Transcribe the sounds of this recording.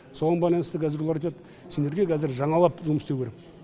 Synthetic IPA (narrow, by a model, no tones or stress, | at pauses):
soʁɑnbɑjlˠɑnəst̪əkʰʲæzɪɾulˠɑɾet̪ɑt̪ə | se̞nd̪e̞ɾɡʲekʰæzɪɾʒɑɴɑlˠɑpʒʊməst̪ewkʰʲeɾek